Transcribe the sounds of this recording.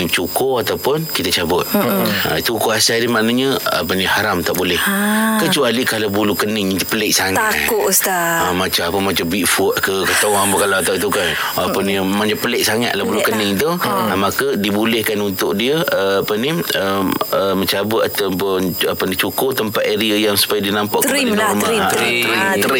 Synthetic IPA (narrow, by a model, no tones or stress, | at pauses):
t͡ʃukoat̪awpʊnkit̪at͡ʃabʊt̪̚a̰it̪ukuasadihmaʔnaɲəa̰pənihaɾamt̪aʔbulɛhkət͡ʃualikahlabulukənɪŋit̪upəleʔsaŋaksaamat͡ʃamapəmat͡ʃambiʔfuʔkəkət̪oaŋpəkalaat̪at̪ukanapənimaɲd͡ʒapəleʔsaŋat̪ʔlahbulukənɪŋt̪̬umakədibulɛhkanunt̪ʊʔdiəəapəniəəməɲt͡ʃabət̪at̪apənapəndit͡ʃukoʔt̪əmpat̪eɾiajaŋsu̥pajadinampaʔkdidmaaəɾit̪əɾɪ